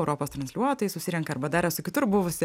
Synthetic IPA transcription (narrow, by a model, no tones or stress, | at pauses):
ʊɾʔoːpoːst̪ɾɐnsʲlʲuɔt̪oːjɪsʊsʲɪːɾʲɛŋkɐɐɾbɐd̪ɑːɾʲɛsʊkʲɪt̪ʊɾbʊʋʊsʲɪ